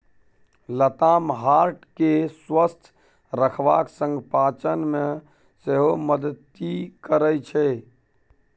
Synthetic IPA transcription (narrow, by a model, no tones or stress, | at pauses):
lət̪amɦaɾʈkeswəst̪ʰ | ɾəkʰʋa̰ksə̃ŋɡpat͡ʃənmẽ | seɦoməd̪ət̪ːikəɾət͡ʃʰɛ